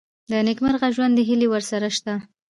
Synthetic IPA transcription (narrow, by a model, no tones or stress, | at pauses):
d̪ənɪkmaɾɣaʒwand̪ːəɦilewəɾsaɾaʃt̪a